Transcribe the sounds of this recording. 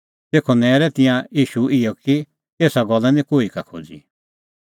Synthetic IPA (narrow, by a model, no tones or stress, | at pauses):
t̪eːkʰɔnɛːɾɛt̪ɪ̃jãjiːʃuɪjɔki | eːsaɡɔlːanĩkoːikakʰo̰ːd͡zḭ